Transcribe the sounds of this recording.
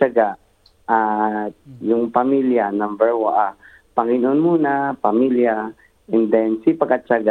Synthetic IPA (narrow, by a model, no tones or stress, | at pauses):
aɡaʔ | ʔat̪̚jʊŋpamiljanambɛɹwaʔa | pɐŋɪnʔonmuːnapamilja | ɛnd̪ɛnsipaɡat͡ʃaɡa